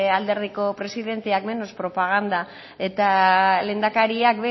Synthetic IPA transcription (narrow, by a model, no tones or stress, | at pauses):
ald̪e̞ɾðiko̞pɾe̞siðe̞nt̪eakme̞nospɾo̞paɣ̞and̪a | e̞t̪ale̞ːnd̪akaɾiakβe